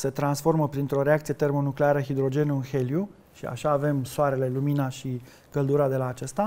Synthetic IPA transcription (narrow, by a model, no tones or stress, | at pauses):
se̞t̪ɾansfo̞rməpɾint̪ɾo̞ɾe̞ak̚t̪sije̞t̪e̞rmo̞nukleaɾəxid̪ɾo̞d͡ʒe̞nunxe̞lju | ʃia̰ʃaːve̞msoaɾe̞le̞luminaʃi | ɡ̥əld̪uɾad̪e̞laːt͡ʃest̪a